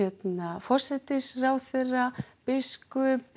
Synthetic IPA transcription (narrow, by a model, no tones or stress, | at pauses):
ɛt̪nafɔr̥sɛt̪ɪsraːwθerːapɪskʏp